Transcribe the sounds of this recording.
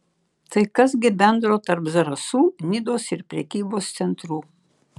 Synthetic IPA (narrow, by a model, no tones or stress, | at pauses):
t̪ɐɪkɐsɡʲɪbʲɛnd̪ɾoːt̪ɐɾpzɐɾɐsuːnʲɪd̪oːsɪɾpʲɾʲɛkʲiːboːst̪sʲɛnt̪ɾuː